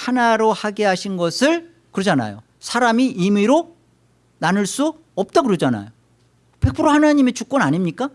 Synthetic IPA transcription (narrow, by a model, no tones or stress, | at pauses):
hanaɾohaɡe̞ɦaɕʰinɡʌsʰɯɭ | kɯɾʌd͡ʑana̰jo̰ | sʰaɾamiimiɾo | nanɯɭs͈u | ʌp̚t͈akɯɾʌd͡ʑana̰jo | pe̞kpʰɯɾohanaɲimet͡ɕuk͈̚ʌnaɲimɲik͈a